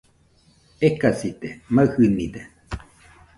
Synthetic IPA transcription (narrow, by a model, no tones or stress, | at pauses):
ekasit̪emahɨnid̪e